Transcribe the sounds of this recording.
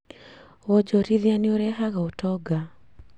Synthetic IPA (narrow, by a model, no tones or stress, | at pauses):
wɔd͡ʒɔɾiðianioɾɛɦaɣaotɔɡa